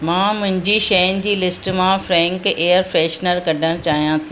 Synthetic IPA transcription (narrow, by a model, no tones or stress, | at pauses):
mãːmʊ̃ɦɪ̃ɲd͡ʑiʃɐjnɪ̆d͡ʑiːlɪsʈmãfɾɛ̃ːŋkeːəɾfɾeːʃnəɾkɐɖʱəɽ̃t͡ɕaːɦijãt̪ʰi